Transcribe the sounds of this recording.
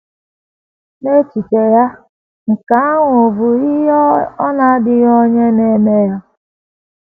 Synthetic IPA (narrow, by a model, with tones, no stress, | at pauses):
ne˦t͡ʃi˨t͡ʃe˨ja˦ | ŋ̩˨ka˨˦a˦ŋʷo˨bu˨i˦jɔ˦ɔ˦na˨˦dɪ˦jɔ˦ɲe˦ne˨˦me˦ja˦